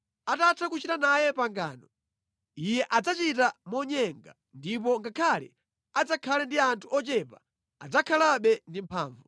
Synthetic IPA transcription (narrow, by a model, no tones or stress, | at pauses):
atatʰakut͡ʃitanajɛpaŋɡaːnɔ | ijɛʔad͡zat͡ʃitamɔɲɛŋɡa | ndip̬ɔŋɡakʰalɛ̰ | ad͡zakʰalɛndiantʰuɔt͡ʃɛpa | a̰d͡zakʰalaɓɛndim̩pʰa̰ːɱvu